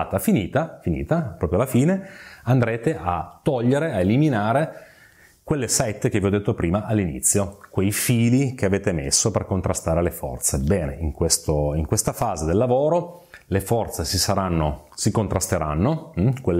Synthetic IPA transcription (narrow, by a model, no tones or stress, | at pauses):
t̪afiniːt̪afinḭːt̪apɾɔːpɾjoalːafiːneand̪ɾeːt̪eʔat̪ːɔʎːeɾeaeliminaːɾe | kwelːesɛt̪ːkeviɔd̪et̪ːopɾiːmaʔalːinḭt̪sːjokwejfiːlik̟eaveːt̪emḛsːoperkont̪ɾast̪aːɾelefɔ̰rt̪sebɛːneiŋkwest̪oiŋkwest̪afaːzed̪elːavoːɾo | lefɔrt̪sesisaɾanːo | sikont̪ɾast̪eɾanːokwelː